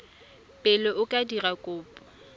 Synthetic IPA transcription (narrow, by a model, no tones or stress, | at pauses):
pʼɪlɔʔʊkʼadirakʼʊːpʼɔ